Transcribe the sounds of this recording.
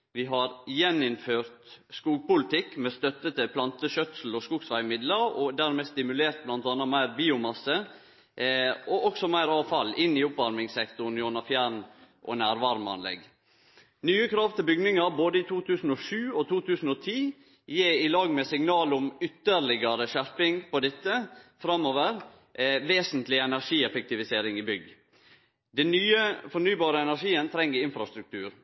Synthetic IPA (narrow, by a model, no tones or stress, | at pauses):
ʋɪɦɑɾjɛnːɪnføːɾt̪skuːɡ̚pʊlɪt̪ɪkːmɛst̪œt̪ːət̪ʰɪlpʰlɑnt̪əʃœt̪sl̩ɔskuɡsʋæɪmɪd̪ləɾɔd̪æɾmest̪ɪmʉleːɾt̪̚blɑnt̪ɑnːɑmæɪɾbiːʊmɑsə | ɔʔɔksɔmæɪɾɑːʋfɑlːɪnːɪʊpʋɑɾmɪŋsɛkt̪ʊnjɔnɑfjæɾnʔɔ̰næːɾʋɑɾmɑ̰nlɛ̰ɡ | nyːəkʰɾɑːʋt̪ʰɪlbʏɡnɪŋɑɾboːd̪əɪt̪ʰuːt̪ʰʉːsn̩ɔʂʉːɔt̪ʰuːt̪ʰʉːsn̩ɔt̪ʰiː | jeːɪlɑːɡmɛsɪŋnɑːlʊmʏt̪ːəɾɭɪɡɑɾəʃæɾpɪŋpɔd̪ɛt̪ːəfɾɑmːoːʋəɾ | ʋeːsnt̪lɪɛnæɾʂiːɛfɛk̚t̪ɪʋɪseːɾɪŋɪbʏɡ | d̪ɛnnyːəfɔnyːbɑːɾəɛnæɾʂiːənt̪ʰɾɛŋːəɪnfɾɑst̪ɾʉk̚t̪ʰʉːɾ